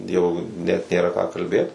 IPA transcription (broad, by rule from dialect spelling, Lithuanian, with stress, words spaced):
ˈjɛʊ nʲɛt nʲeːˈrɐ kɑː kɐlʲˈbʲeːt